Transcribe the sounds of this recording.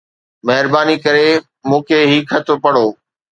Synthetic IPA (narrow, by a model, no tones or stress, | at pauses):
mɐɦɪɾbaːnikɐɾe | mũːkʰeɦiːkʰɐt̪ʰpɐɽ̤oː